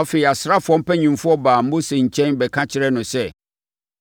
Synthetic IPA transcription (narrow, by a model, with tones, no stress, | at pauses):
ɔ˦fe˨i˨a˨sɾa˦fʊ˨ɔ̃˦m̩˦pɛ˦ɲĩ˨mfʊ˦ɔ˦baː˨m̩˦bʊ̃˦sɛ̃˨ɲ̩˨t͡ɕʰɛ̃˦nbɛ˨kʰã˦t͡ɕʰɪ˦ɾɛ˦nʊ̃˨sɛ˦